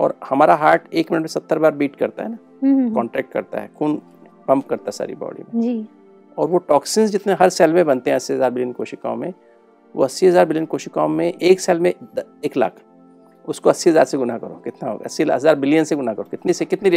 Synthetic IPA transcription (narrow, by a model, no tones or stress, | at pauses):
ɔ̰ːɾhɐmaːɾaɦaːɾʈeːkmɪnəʈmẽsɐt̪ːəɾbaːɾbiːʈkɐɾt̪a̰ɦɛ̰naː | kɔ̃ːɳʈɾɛːk̚ʈkɐ̰ɾt̪a̰ɦɛ̰ːkʰuːn | pɐ̃mpkɐɾt̪aɦɛsa̰ːɾḭbɔ̰ːɖḭmẽd͡ʒiː | ɔːɾʋoʈɔːksɪnsd͡ʒɪt̪neɦɐɾsɛːlmẽbɐ̃nt̪eɦɛ̃ɐsːiɦɐzaːɾbɪlijənkoːʃikã̰ːmẽ | ʋo̰ɐsːiɦɐzaːɾbɪlijənkoːʃikãːõmẽʔeːksɛːlmẽeːkla̰ːkʰ | ʊskoɐsːiɦɐzaːɾseɡʊnakɐɾo̰ːkɪt̪naɦo̰ːɡɐsiɐzaːɾbɪlijənseɡʊnakɐɾokɪt̪nisekɪt̪niɾ